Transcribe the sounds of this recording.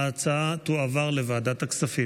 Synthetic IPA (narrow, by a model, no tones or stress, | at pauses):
at͡saat̪uavaʁle̞vaːdat̪aksafi